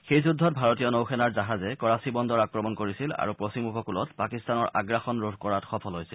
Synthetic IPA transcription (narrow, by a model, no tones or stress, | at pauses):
xejzudʱːɔt̚bʱaɹɔtijɔnowxʰɛnaɹzaɦazɛkɔɹasibɔndɔɹakɹɔmɔnkoɹisila̰ɹupɹosimukɔkulɔ̰tpakistanɔɹa̰ɡɹaxɔnɹodʱkɔɹatxɔpʰɔlɦojsill